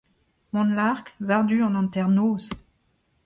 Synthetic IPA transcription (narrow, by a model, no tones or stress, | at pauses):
mɔ̃nlaʁkvaʁd̪yɑ̃nɑ̃nt̪ɛʁnoːs